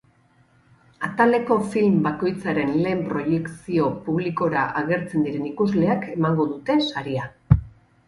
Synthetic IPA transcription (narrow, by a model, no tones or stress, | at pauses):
at̪ald̪e̞ko̞filmbako̞jt͡saɾe̞nle̞ːmpɾo̞je̞ksio̞puβliko̞ɾaʔaɣ̞e̞ɾt͡se̞nd̪iɾe̞nikuzle̞ake̞maŋɡo̞ðut̪e̞saɾia